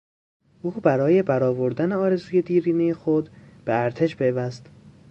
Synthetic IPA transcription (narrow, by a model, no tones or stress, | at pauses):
ʔuːbæɾɒːje̞bæɾɒːvo̞ɾd̪æneɒːɾe̞zuːje̞d̪iːɾiːnejexod̪b̥eæɾt̪ʰe̞ʃpʰeːvæst̪